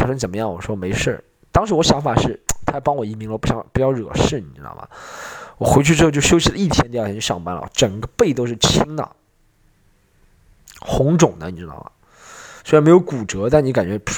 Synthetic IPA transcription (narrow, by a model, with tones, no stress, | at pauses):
ʂə˥ŋt͡sə˨˩nmə˦jɑ˥˩ŋwɔ̰˨˩ʂwɔ˥me˧˥ɪʂə̰˥˩ | t̪ɑ˥ŋʂ̬ɻ̩˧˥wɔ˧˥ɕjɑ˧˥ŋfa˨˩ʂɻ̩˥˩t̪ʰa˥˩pɑ˥ŋwɔ˨˩i˧˥mi˧˥ŋlə˧˩pu˥˩ɕjɑ̰˥˩ŋpu˧˩t͡ɕjɑ˥˩ʊɻɤ̰˨˩ʂɻ̩˥˩ni˨˩ʈ͡ʂɻ̩˥ɑ̰˩mɐ̰˩wɔ˨˩xwe˧˥ɪt͡ɕʰy˥˧ʈ͡ʂɻ̩˥˧t͡ɕo˥˧˩ɕjo˥ʊɕ̬i˧˥lə˧i˥˩t̪ʰjɛ˧˥nt̪jʂɑ̰˥˩ŋpa˧˥nlə̰˩ʈ͡ʂə˨˩ŋɡə˦pe˥˩ɪt̪o˥ʊʂɻ̩˥˩t͡ɕʰi˥ŋd̪ə̰˨ | xʊ˧˥ŋʈ͡ʂʊ˨˩ŋnə̰˦ni˨˩ʈ͡ʂɻ̩˧˥d̪ɑ̰˥˩ʊɐ̰˩ | swɻnme˧˥ɪjo˧˥ʊku˨˩ʈ͡ʂɤ˧˥t̪a˥˩nni˧˥ka˨˩nt͡ɕɥɛ˧˥